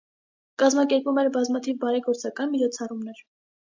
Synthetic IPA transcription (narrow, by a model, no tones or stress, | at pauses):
kɑzmɑkɛɾpumɛɾbɑzmɑt̪ʰivbɑɾɛɡɔɾt͡sɑkɑnmit͡ʃʰɔt͡sʰɑrumnɛɾ